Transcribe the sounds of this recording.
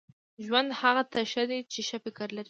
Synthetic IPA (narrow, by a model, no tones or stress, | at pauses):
ʒwand̪haɣat̪aʃad̪et͡ʃeʃafɪkaɾlaɾi